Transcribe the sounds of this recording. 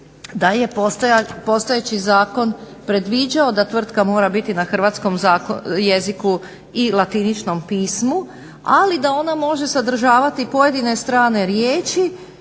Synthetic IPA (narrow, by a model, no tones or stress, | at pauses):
d̪aje̞p̪po̞st̪ajet͡ʃizaːko̞npɾe̞d̪ʋiːd͡ʒao̞d̪at̪ʋr̩t̪kamo̞ːɾabit̪inaxr̩ʋaːt̪sko̞mzaːkje̞ziku | ilˠat̪init͡ʃno̞mpiːsmu | alid̪ao̞namo̞ʒe̞sad̪r̩ʒaːʋat̪ipo̞je̞d̪ine̞st̪ɾaːne̞ɾjeːt͡ʃi